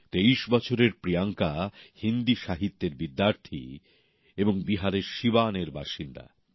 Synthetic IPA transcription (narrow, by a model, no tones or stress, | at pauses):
t̪eiʃbɔt͡ɕʰoɾeɾpɾiaŋkahind̪iʃaɦit̪ːeɾbid̪ːaɾt̪ʰḭ | eboŋbiɦaɾeɾʃibaneɾba̰ʃind̪a̰